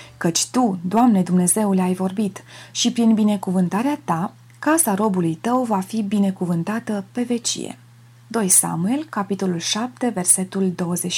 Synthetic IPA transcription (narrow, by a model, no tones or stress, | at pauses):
kət͡ʃʲt̪ud̪oamne̞d̪umne̞ze̞wleajvo̞rbit̪ʃipɾinbine̞kuvɨnt̪aɾeat̪a | kasaɾo̞bulujt̪əwvafibine̞kuvɨnt̪at̪əpe̞ve̞t͡ʃḭjḛ | d̪o̞jsa̰mue̞lkapit̪o̞lulʃap̚t̪e̞ve̞rse̞t̪uld̪o̞wəze